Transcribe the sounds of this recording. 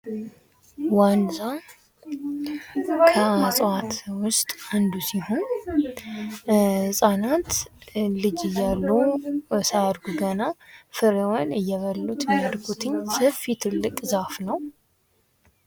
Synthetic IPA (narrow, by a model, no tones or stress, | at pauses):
wanza | kʰəasʼat̪wʊst̪ʼand̪usihon | hɨsʼanat̪lɨd͡ʒɨjːalːusajad̪ɡuɡənafɨɾewanɨjːɛβəlːut̪mijad̪ɡut̪ʰɨɲːsəfit̪ʰɨlːɨkʼzafnəw